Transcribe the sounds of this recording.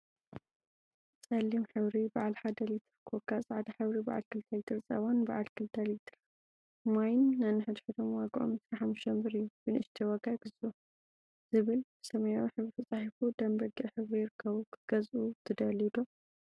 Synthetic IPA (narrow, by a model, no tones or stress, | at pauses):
t͡sʼɐlːimħɨβɾibaʕalħad̪ɐlɛt̪ʰɨɾɨkʰokʰːasʼʕat̪ʰɐħɨβɾiba̰ʕa̰lkʰɨlt̪ʰalt̪ʰɨɾɨt͡sʼɐ̰βonba̰ʕalkʰɨlt̪ʰaljt̪ʰɨɾ | majnːanɨħɨd̪ħɨd̪ʰomwaɡʔo̰msɾaħamːuʃɐmbɨɾɨjːubɨnɨʃt̪ʰiwɐɡaɡɨzu | z̥ɨβɨlb̥ɨsɐmɐjawiħɨβɾifɨt͡sʼaħifud̪ɐmbɐɡiʕħɨβɾijɪɾɨkʰːɐβukʰɨɡ̥ɐzʔut̪ʰɨd̪ɐlid̪o